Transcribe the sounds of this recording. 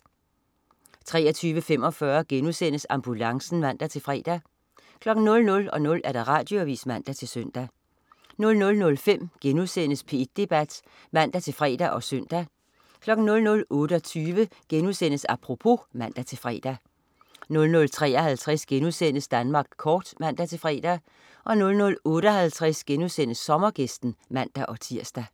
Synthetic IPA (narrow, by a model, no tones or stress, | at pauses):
t͡sʰʁɛ̰ːɐt͡sʰyːʋəfem̰ɒ̽fɶɐɡ̥enuðˠsen̰əsɑ̈mb̥ulɑ̈ŋsn̩ʋæn̰d̥æt͡sʰe̝lfʁɛ̰ːd̥æ | kʰlɒ̽ɡ̥n̩nːɔ̽lnɔ̽lɒ̽nɔ̽læɐd̥ɑ̈ʁɑ̈d̥jo̝æʋḭːsmæn̰d̥æt͡sʰe̝lsøn̰d̥æ | nɔ̽lnɔ̽lnɔ̽lfem̰ɡ̥enuðˠsen̰əspʰe̝̥d̥e̝b̥æd̥ | mæn̰d̥æt͡sʰe̝lfʁɛ̰ːd̥æʔɒ̽søn̰d̥æ | kʰlɒ̽ɡ̥n̩nɔ̽lnɔ̽lɔ̽ːɾ̥əɒ̽t͡sʰyːʋəɡ̥enuðsen̰əsɑpʰʁo̝pʰo̝mæn̰d̥æt͡sʰe̝lfʁɛ̰ːd̥æ | nɔ̽lnɔ̽lt͡sʰʁɛ̰ːɐhælt͡sʰʁɛsɡ̥enuðˠsen̰əsd̥ænmɑ̈ːɡ̥kʰːɒːd̥mæn̰d̥æt͡sʰe̝fʁɛ̰ːd̥æ | ʔɒ̽nɔ̽lnɔ̽lɔ̽ːɾ̥əɦælt͡sʰʁɛsɡ̥enuðˠsen̰əsːɒ̽mɐɡ̥esd̥n̩mæn̰d̥æʔɒ̽t͡sʰiɐ̰sd̥æ